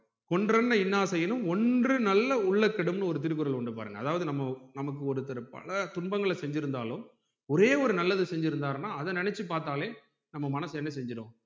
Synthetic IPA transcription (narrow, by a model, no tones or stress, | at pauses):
kɔɳdrɐnːɐɪnːaːsɛjɐnɯ̃mɔndrɯnɐlːɐʊɭːɐkːɐɽɯmnɯɔɾɯt̪̬ɪɾɯkːɯɾɐlɔɳɖɯpaːɾɯŋɡɐ̰ðaːʋɐðɯnɐmːɐnɐmɐk̬ːɯɔɾɯt̪ːɐɾɐpɐ̰lɐt̪ʊnbɐŋɡɐɭsɛɲd͡ʒɪɾɯnd̪a̰ːlɯm | ɔɾeːɔɾɯnɐlːɐðɯsɛɲd͡ʒɪɾɯnd̪aːɾnaːɐðɐnɪnɛt͡ʃːɯp̬aːɾt̪aːleː | nɐmːɐmɐnɐsɛnːɐsɛɲd͡ʒɪɽõ̰ː